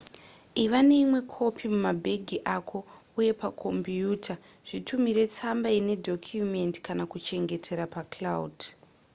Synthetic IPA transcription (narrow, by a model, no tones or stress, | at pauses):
iʋane̞imwe̞kʰo̞pʰimumabʱe̞ɡʱiʔakʰo̞ | uje̞pakʰo̞mbiuːtʰa | ʐ̥itʰumiɾe̞t͡sambaine̞dʱo̞kʰjume̞ntkanakut͡ʃe̞ŋɡe̞tʰe̞ɾapaklaud